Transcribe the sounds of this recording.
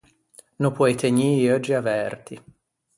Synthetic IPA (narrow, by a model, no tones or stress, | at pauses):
nopwɔjt̪ʰeɲiːɔd͡ʒːiavɛrt̪i